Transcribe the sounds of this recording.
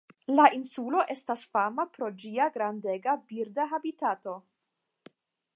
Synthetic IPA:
lainsulo̞ʔe̞stasfamapɾo̞d͡ʒiaɡɾandeɡabiɾdaɦabitato̞

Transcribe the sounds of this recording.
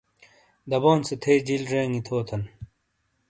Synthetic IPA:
d̪ɐboːnset̪ʰeːd͡ʑilɾeːŋit̪ʰoːt̪ʰɐn

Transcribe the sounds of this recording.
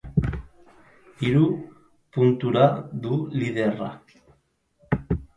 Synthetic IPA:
iɾu | punt̪uɾaðuliðera̰

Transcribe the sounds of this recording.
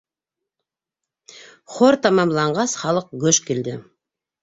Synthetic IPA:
χoɾt̪ʰɑmɑmlˠɑɴʁɑsχɑlˠəq̚ɡʲɵʃkʲʰeld̪ɪ

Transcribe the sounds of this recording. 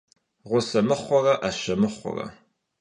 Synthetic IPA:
ʁʷʊsɐmɨχʷɔrɐʔaʃɐmɨχʷɔ̰rɐ̰

